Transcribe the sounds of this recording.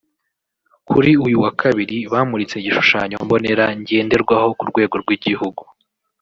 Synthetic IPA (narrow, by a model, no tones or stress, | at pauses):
kʰuɾiujuwakʰaβiɾiβaːmuɾit͡se̞ɟiʃu̥ʃaːɲo̞mbo̞ne̞ɾaɲɟe̞ːnde̞ɾɡwaho̞kuɾɡwe̞ːɡo̞ɾɡwiɟihuɡu